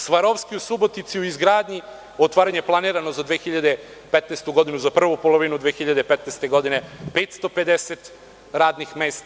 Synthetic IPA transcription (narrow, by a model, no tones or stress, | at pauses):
sʋaɾoʋskiusubo̞t̪it̪siuizɡɾaːd̪ɲi | ot̪ʋaːɾaɲeplˠaniːɾanozad̪ʋeːxiʎad̪e | pet̪nest̪uɡo̞d̪inuzapr̩ʋupo̞lˠoʋinud̪ʋexiʎad̪epet̪nest̪e̞ɡo̞d̪inepet̪st̪o̞pe̞d̪eset̪ | ɾaːd̪nixmeːst̪